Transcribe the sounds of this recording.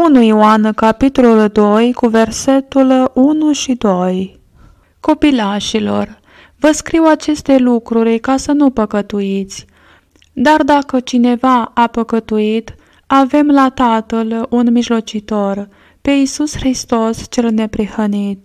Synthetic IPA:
unujwankapit̪o̞luld̪o̞jkuve̞rse̞t̪ulunuʃid̪o̞j | ko̞pilaʃilo̞r | vəskɾiwat͡ʃe̞st̪e̞lukɾuɾʲkasənupəkət̪uit̪sʲ | d̪ard̪akət͡ʃine̞vaːpəkət̪uit̪ | ave̞mlat̪at̪əlunmiʒlo̞t͡ʃit̪o̞r | pe̞isusxɾist̪o̞st͡ʃe̞lne̞pɾihənit̪

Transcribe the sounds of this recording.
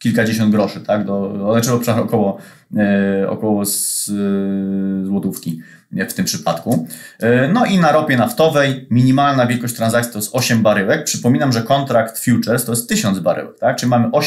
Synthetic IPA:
kʲilkad͡ʑeɕ̬ɔnd̪̚ɡɾɔʂɘt̪aɡd̪ɔɔlɛt͡ʂɛɔpʂaɔkɔwɔ | ɔ̰kɔwɔz | zwɔt̪ufkʲi | ft̪ɘmpʂɘpat̪ku | nɔʔinaɾɔpʲjɛnaft̪ɔvɛjmʲiɲimalnavʲɛlkɔɕt͡ɕt̪ɾanzak̚t̪ʲi̥t̪ɔjɛst̪ɔɕɛmbaɾɘwɛk̚pʂɘpɔmʲinamʐɛkɔnt̪ɾakt̪fʲjut͡ʂɛɾst̪ɔjɛst̪t̪ːɘɕɔnd̪zbaɾɘ̰wɛk̚t̪ak̚t͡ʂɨlʲimamɘʔɔ

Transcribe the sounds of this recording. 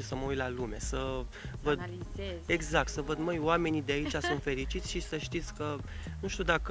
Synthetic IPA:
isəməujt̪lalume̞səvəd̪eɡzak̚t̪səvəd̪məjoame̞nid̪eait͡ʃasunt̪fe̞ɾit͡ʃit̪sʲʃisəʃt̪it̪sʲkənuʃt̪ud̪ak

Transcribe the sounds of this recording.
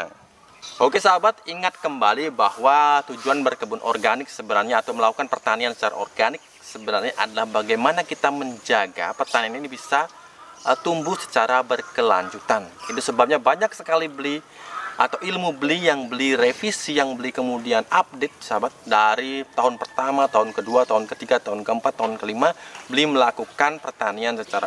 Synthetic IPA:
okesaabat̪̚iŋat̪̚kəmbalibahwat̪ud͡ʒuanbərkəbʊnʔɔ̰rɡanɪk̚səbənarɲaːt̪awməlakukanpərt̪aniansə̥t͡ʃaɾa̰orɡanɪk̚səbənarɲaʔadalahbaɡajmanakit̪aməɲd͡ʒaɡa̰pərt̪anianinibisa | t̪umbʊhsə̥t͡ʃaɾabərkəla̰ɲd͡ʒut̪anit̪usəbap̚ɲabaɲak̚səkalibəli | at̪awilmubəlijaŋbəliɾefisijaŋbəlikəmudianap̚det̪̚sabat̪̚daɾit̪aɦʊnpərt̪amat̪aɦʊnkəduat̪aɦʊnkət̪iɡat̪aɦʊnkəəmpat̪ːaɦʊnkəlimabəliməlakukanpərt̪aniansət͡ʃaɾa̰

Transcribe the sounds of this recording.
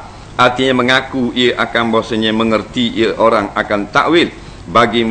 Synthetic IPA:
ʔart̪iɲaməŋakuiəʔakanbosəɲəməŋərt̪iʔiəʔoɾaŋakant̪aʔwɪl | baɡim

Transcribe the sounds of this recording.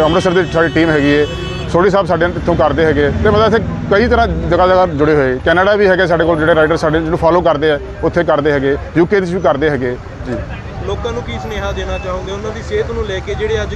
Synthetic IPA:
əmɾəsəɾd̪iːsaːɖiːʈiːmɦɛːɡiːɛː | soːɽiːs̬aːbsaːɖeːɪt̪ʰːõːkəɾd̪eːɦɛːɡeːt̪eːməəɪt̪ʰːeːkəiːt̪əɾãːd͡ʒəɡaːd͡ʒəɡaːd͡ʒʊɽeːɦoeɡeːkɛːnəɖaːbiːɦɛːɡeːs̬aːɖeːkoːld͡ʒeːɽeːɾaːɪɖəɾsaːɖeːd͡ʒeːnũːpʰɔːloːkəɾd̪eːɛː | ʊt̪ʰːeːkəɾd̪eːɦɛːɡeːjuːkeːd̪ɪt͡ʃʋiːkəɾd̪eːɦɛːɡeː | d͡ʒiː | loːkãːnũːkiːsneːɦaːd̪eːnaːt͡ʃaːõːɡeːʊnãːd̪iːseːt̪nũːlɛːkeːd͡ʒeːɽeːəd͡ʒ

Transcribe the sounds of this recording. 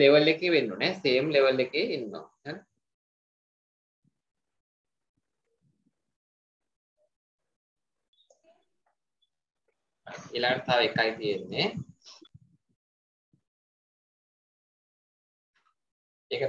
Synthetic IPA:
leʋəlːekːeʋenːuneseːmleʋəlːekːeinːo̰ | an | a̰ilaːʈt̪ʰaːʋekːajt̪ijenːe | eːkə

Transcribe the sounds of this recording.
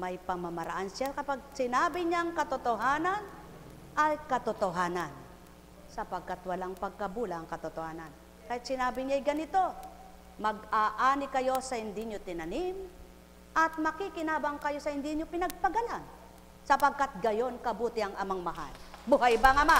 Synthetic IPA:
mɐjpɐmɐmɐɾa̰ʔanʃakɐpaɡ̚sɪnaːbɪɲaŋkɐt̪ot̪oɦaːnɐn | ɐjkɐt̪ot̪oɦaːnɐn | sɐpɐɡ̚kːat̪wɐlaŋpɐɡ̚kɐbuːlɐɐŋkɐt̪ʊt̪ohaːnan | kahɪt̪sɪnaːbɪɲajɡɐnɪt̪o̞ | mɐɡ̚aːʔaːnɪkɐjo̞sɐhɪnd̪ɪɲot̪ɪnɐnɪm | ʔɐt̪̚mɐkikɪnaːbɐŋkɐjo̞sɐhɪnd̪ɪɲopɪnɐɡ̚pɐɡɐlan | sɐpɐɡ̚kːat̪̚ɡɐjo̞nkɐbuːt̪ɪɐŋʔɐmaŋmɐɦa̰lbʊɦajbaŋɐma

